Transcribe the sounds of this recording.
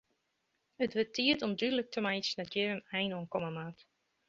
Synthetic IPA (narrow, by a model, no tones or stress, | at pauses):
ətʋətʰiətɔmdydələk̚tʰəmajsnɛtjɪɾənɛjnɔənkɔməmat